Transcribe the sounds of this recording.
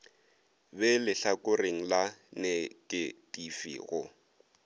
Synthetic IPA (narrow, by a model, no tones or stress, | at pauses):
bɛlɪɬakʊreŋ̩lanɪkʼɪdʼifḭːɣʊ